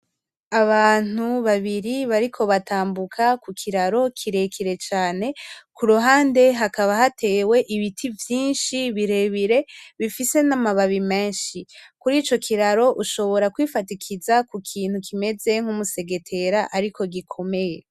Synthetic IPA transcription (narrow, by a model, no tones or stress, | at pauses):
aβaːn̥uβaβiɾiβaɾikʰo̞βataːmbukʰakukʰiɾaɾo̞kʰiɾe̞kʰiɾe̞t͡ʃaːne̞kuɾuɦaːnde̞ɦakaβaɦate̞ːwe̞ʔiβitʰivjiːnʃiβiɾe̞βiɾe̞βifise̞namaβaβime̞ːnʃikuɾiːt͡ʃo̞kʰiɾaɾo̞ʔuʃo̞βo̞ɾakwifatikʰizakukʰiːn̥hukʰime̞ze̞ŋ̥humuse̞ɡe̞tʰe̞ɾaʔaɾikʰo̞ɡikʰo̞me̞je̞